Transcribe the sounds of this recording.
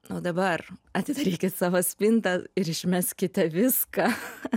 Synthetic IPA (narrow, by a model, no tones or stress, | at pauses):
oːd̪ɐbɐrɐt̪ʲɪd̪ɐɾʲiːkʲɪt̪sɑːʋɐsʲpʲɪnt̪ɐɪɾɪʃʲmʲæsʲkʲɪt̪ʲɛʋʲɪskɑ